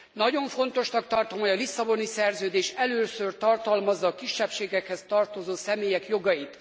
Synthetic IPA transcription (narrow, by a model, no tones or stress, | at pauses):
nɒɟo̞ɱfo̞n̪t̪o̞ʃnɒk̚t̪ɒrt̪omhojɒlisːɒbo̞nisɛrzøːd̪eːʃɛløːsørt̪ɒrt̪ɒlmɒzːɒːkiʃːɛpʃeːɡɛkhɛst̪ɒrt̪o̞zoːsɛmeːjɛkjo̞ɡɒjit̪